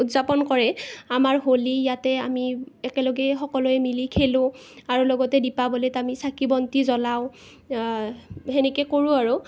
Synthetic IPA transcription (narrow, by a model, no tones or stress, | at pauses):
utzapɔnkɔɹɛamaɹɦolijatɛamiɛkɛlɔɡɛxɔkɔlɔɛmilikʰelʊ̃ | aɹulɔɡɔtɛdipabɔletamisakibɔntizɔlaʊ̃ | ɦɛnɛkɛkoɹũaɹu